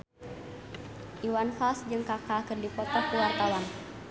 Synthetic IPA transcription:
ʔiwanfalsd͡ʒɨŋkakakərdipɔt̪ɔkəwart̪awan

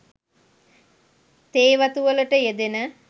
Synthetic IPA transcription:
t̪eːʋɐt̪uʋɐlɐʈɐjed̪enɐ

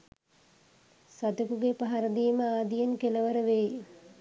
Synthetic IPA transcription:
sat̪əkuɡepaɦaɾəd̪iːməaːd̪ijenkeləʋəɾəʋeː

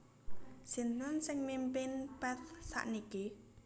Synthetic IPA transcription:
si̤nt̪ansɪŋmimpɪnpɛt̪̚sa̰ʔnike

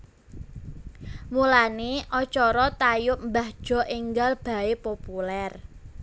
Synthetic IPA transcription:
mulaneʔɔt͡ʃɔɾɔt̪ajʊʔ̚mbahd̥ʒ̥ɔ̤ʔɪŋɡalb̥a̤epopulɛr

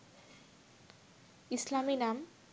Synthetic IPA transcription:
islaminam

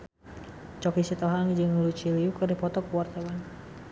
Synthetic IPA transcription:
t͡ʃɔkisit̪ɔɦaŋd͡ʒɨŋlut͡ʃiliukɨrdipɔt̪ɔkuwart̪awan

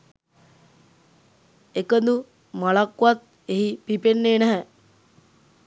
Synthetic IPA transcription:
ekənd̪u | malakːʋat̪̚ | eɦipipenːeːnæɦɛ

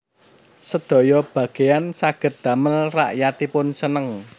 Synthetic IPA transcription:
səd̪̥ɔ̤jɔb̥a̤ɡ̥e̤jansaɡ̥ə̤t̪̚d̪̥ä̤məlra̰ʔjat̪ipʊnsənəŋ

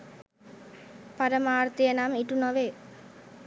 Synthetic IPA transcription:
paɾəmaːrt̪ijənamiʈunoʋe

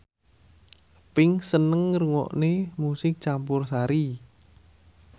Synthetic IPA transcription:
pɪŋsənəŋːəɾuŋɔ̰ʔnemusɪk̚t͡ʃampʊrsaɾi

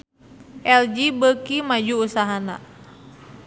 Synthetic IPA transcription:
ʔɛld͡ʒibəkimad͡ʒuːsaɦana̰

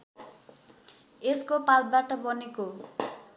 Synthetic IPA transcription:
eskopalt̪̚baʈʌbʌneko

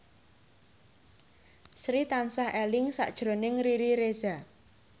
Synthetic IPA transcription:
sɾit̪ansahɛlɪŋsa̰ʔd̥ʒ̥ɾo̤nɪŋriɾiɾez̥a

